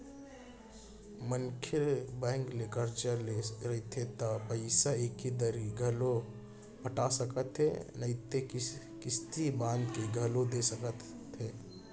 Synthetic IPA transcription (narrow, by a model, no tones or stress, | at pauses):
mənkʰɪɾbɛ̃ːŋklekəɾd͡ʒəleɾəit̪ʰet̪apəɪsaekid̪əɾiɡʱəlo | pəʈasəkət̪ḛnəɪt̪e | kɪst̪ibãːnd̪kiɡʱəlod̪esəkət̪ | ɦe